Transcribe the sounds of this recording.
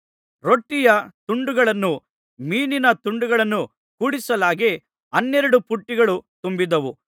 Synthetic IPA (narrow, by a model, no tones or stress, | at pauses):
ɾoʈːijɐt̪uɳɖuɡɐɭɐnːu | miːninɐt̪uɳɖuɡɐɭɐnːu | kuːɽisɐlaːɡe | ɐnːɛɾɐɽupuʈːiɡɐɭut̪umbid̪ɐʋu